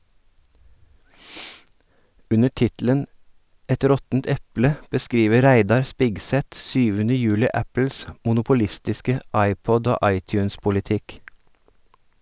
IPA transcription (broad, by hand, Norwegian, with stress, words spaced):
ˈʉnə ˈʈɪtl̩ən ˈɛt ˈɾɔtn̩t ˈɛplə bəˈskɾiːʋə ˈɾæɪdɑɾ ˈspɪɡˌsɛt ˈsyːʋənə ˈjʉːlɪ ˈæpəls mʊnʊpʊˈlɪstɪskə ˈɑɪˌpɔd ˈoː ˈʔɑɪˌtjʉːnspʊlɪˌtɪk